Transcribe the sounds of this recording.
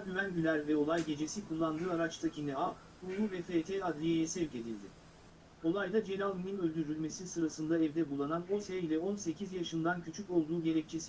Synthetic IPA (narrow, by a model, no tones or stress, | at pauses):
ɟyvænɟylʲæɾvɛo̞lˠajɟe̞d͡ʒe̞sikʰulˠːand̪ɯːaɾat͡ʃt̪ʰˠacʰinɛa | uuvɛfet̪ʰɛad̪ɾʲijejɛsɛvce̞d̪ḭlʲd̪ɪ | o̞lˠajd̪ad͡ʒe̞ɾʲalˠmminø̞lʲd̪yɾylʲme̞sisɯɾasɯnd̪aɛvd̪ɛbulˠːanano̞seilʲɛo̞nse̞cʰizjaʃɯnd̪ancʰyt͡ʃʰyco̞lˠd̪uːɟe̞ɾɛc̚t͡ʃʰesi